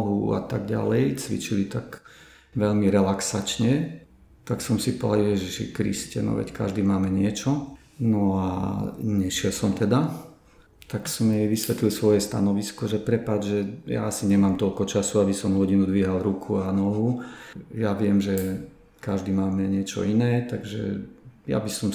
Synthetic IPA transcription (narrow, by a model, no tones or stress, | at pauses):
ɦua̰t̪aɡɟa̰lɛjt͡sʋḭt͡ʃilit̪ak | ʋɛʎmiɾɛlaksat͡ʃɲɛ | t̪aksɔmsipɔa̰ljɛʒiʃḭkɾḭscɛ̰nɔ̰ʋɛ̰cka̰ʒd̪iːmaːmɛɲɪɛt͡ʃɔ | nɔaɲɛʃɪɛlsɔmt̪ɛd̪a | t̪aksɔmjɛjʋisʋɛt̪lilsʋɔjɛst̪a̰nɔʋiskɔʒɛpɾɛpad͡ʒʒɛja̰asiɲɛmaːmt̪ɔʎkɔt͡ʃasuabisɔmɦɔɟinud̪ʋiɦalɾukʰuanɔɦujaʋɪɛmʒɛ | kaʒd̪iːmaːmɛɲɪɛt͡ʃɔ̰inɛːt̪aɡʒɛ̰ja̰bisɔm